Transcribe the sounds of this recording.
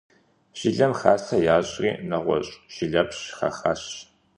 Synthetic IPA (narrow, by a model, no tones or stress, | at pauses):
ʒ̥ɪɮɐmχaːsɐjaːɕʼriːnɐʁʷɔ̰ɕʼʒ̥ɪɮɐpɕχɐ̰χaːɕ